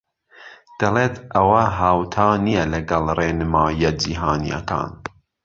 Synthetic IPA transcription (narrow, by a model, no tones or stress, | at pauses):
d̪̥ɐleːt̪ʰʔɐwɐɦaːwt̪ʰɑːnijɛlɐɡɐlˠreːnɨmɑːjɐd͡ʒiːɦɑːnḭjɐ̰kʰɑ̰ːn